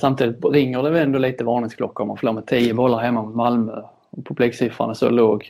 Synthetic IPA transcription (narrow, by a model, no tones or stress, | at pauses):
samt̪ʰiːd̪ɪt̪ɾɪŋːəɖɛvɛlɛnd̪oːliːt̪əvɑːnɪŋsklɔkːaɔma̰nfloːɾmɛt̪ʰiːəbɔlːaɾɦɛmːamɔmalmœ | ɔpʰɔpliːksɪfa̰ɳəso̰loːɡ